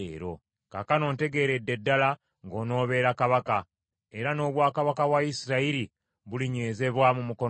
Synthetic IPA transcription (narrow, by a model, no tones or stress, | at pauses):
ɾo̞̰ | ka̰kano̞ːnte̞ɡe̞ɾe̞dːe̞dːala | ŋɡo̞ːno̞ːβe̞ːɾakaβaka | e̞ɾano̞ːβwaːkaβakaβwaisiɾaiɾi | βuliɲeːze̞βwamumuko̞